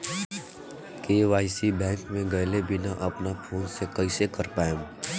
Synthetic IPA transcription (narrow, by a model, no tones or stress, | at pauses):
keːʋaːɪsibɛ̃ːŋkmẽɡɐːlebɪnaʔɐpnapʰoːnsekəɪsekɐɾpaːem